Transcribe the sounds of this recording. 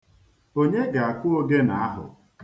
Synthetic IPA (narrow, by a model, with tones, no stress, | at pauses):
o˦ɲe˦ɡa˨a˨kʷʊ˦o˦ɡe˦na˨a˦ɦʊ̰˨